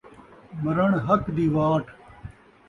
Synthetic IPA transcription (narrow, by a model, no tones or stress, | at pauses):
mɐɾɐɳɦɐkd̪iːʋaːʈʰ